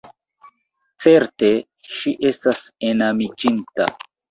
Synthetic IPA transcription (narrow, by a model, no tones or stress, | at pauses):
t͡se̞ɾte̞ | ʃiʔe̞stasenamid͡ʒinta̰